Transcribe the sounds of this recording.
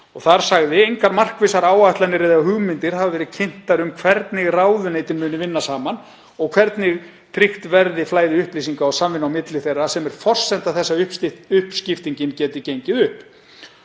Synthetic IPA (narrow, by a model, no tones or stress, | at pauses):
ɔɣθaɾ̥saɣðɪejŋkaɾmar̥kvɪsaɾaːwaht̪lanːɪɾɛjðɪɣahʏɣmɪnt̪ɪɾ̥havavɛːɾɪcʰɪn̥t̪aɾʏmkʰvɛɾt̪nɪɣraːwðʏneːjt̪ɪnmʏːnɪvɪnːasaːman | ɔɣkʰv̥ɛɾt̪nɪɣ | t̪ʰɾixt̪vɛɾðɪflaːjðɪʏhplijs̬iŋkaɔɣsamvɪnːawmɪt̪lɪθejrːasɛmɛɾ̥fɔr̥sɛn̥t̪aθɛsːaʏʏhpscɪft̪iɲcɪncɛːt̪ɪcejɲcɪðʏhp